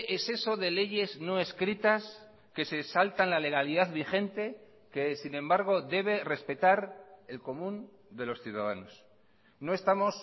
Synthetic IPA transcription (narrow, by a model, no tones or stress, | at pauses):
ʔese̞so̞ðe̞le̞ʝe̞zno̞e̞skɾit̪as | ke̞se̞salt̪anlale̞ɣaliðaðβixe̞nt̪e̞ | ke̞sinẽ̞mbaɾɣ̞o̞ðe̞β̞e̞re̞spe̞t̪aɾe̞lko̞mũn | d̪e̞lo̞sθjuðaðano̞s | no̞e̞st̪amo̞s